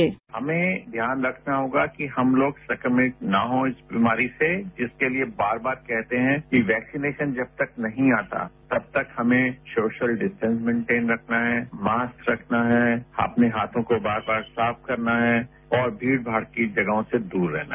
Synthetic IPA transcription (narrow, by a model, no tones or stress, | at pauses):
hɐ̰mẽd̪ʱjaːnɾɐkʰnaɦoːɡakiɦɐmloːɡsɛkəmɪʈ̚na̰ɦõːɪsbimaːɾised͡ʒɪskeliebaːɾbaːɾkɛɦt̪eɦɛ̃kiʋɛːksineːʃənd͡ʒɐb̚t̪ɐknɐɦĩaːt̪a̰t̪ɐb̚t̪ɐkhɐmẽsoːʃəlɖɪsʈɛ̃ns̬mɛ̃ːɳʈẽːnɾɐkʰnaɦɛmaːstɾɐkʰnaɦɛɐ̰pneɦaːt̪ʰõkobaːɾbaːɾsaːf̚kɐɾnaɦɛ | ɔːɾbʱiːɽbʱaːɾkid͡ʒɐɡɦõsed̪uːɾːɛ̰ɦna̰